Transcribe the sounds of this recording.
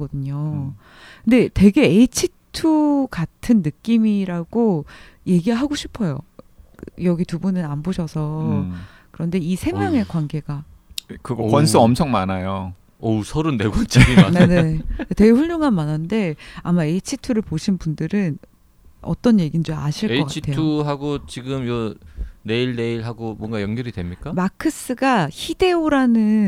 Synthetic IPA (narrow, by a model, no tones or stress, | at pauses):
ɡʌdɯɲo | kɯnde̞te̞ɡe̞ːit͡ɕʰitʰuɡatʰɯnːɯk͈imiɾaɡ̥oje̞ɡiɾɭɦaɡoɕʰi̥pʰʌjo̰ | jʌɡitubunɯnanboɕʰʌsʰʌ | kɯɾʌnde̞isʰe̞mjaŋe̞kwanɡe̞ɡa | kɯɡʌkwans͈ʰɯʌmt͡ɕʰʌŋmanajo | ʌsʰʌɾunːeɡʌnt͡ɕ͈ʰiɡineneete̞ɡɸuɭjoŋɦanmanande̞amae̞it͡ɕʰitʰuɾɯɭpoɕʰinbundɯɾɯn | ʌ̰t͈ʌnje̞ɡind͡ʑoa̰ɕʰiɭekʌkat͡ɕʰitʰetʰuɦaɡot͡ɕiɡɯmʌne̞iɭne̞iɭɦaɡomwʌnɡajʌŋɡʌɾidwe̞mɲik͈amakʰɯs͈ɯɡaçʰide̞oɾanɯ